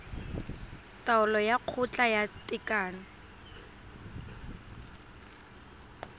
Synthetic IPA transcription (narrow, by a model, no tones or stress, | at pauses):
tʼaʊlɔjaq͡χʰʊt͡ɬʼajatʼɪkʼaːna